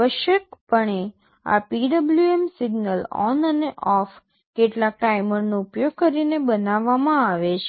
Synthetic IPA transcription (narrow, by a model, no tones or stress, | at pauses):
ʋəʃək̚pəɳe | a̰piɖəbljuemsiɡnəlɔ̰nəneʔɔf | keʈlak̚ʈaiməɾnõupjoɡ̚kəɾinebənaʋːamãaʋet͡ʃʰe